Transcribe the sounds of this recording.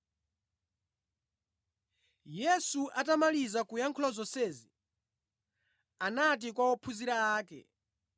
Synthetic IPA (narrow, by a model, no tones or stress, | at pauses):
jɛsuʔatamalizakujaŋkʰulazɔsɛzi | anat̬ikwawɔpʰuziɾaaːkɛ̰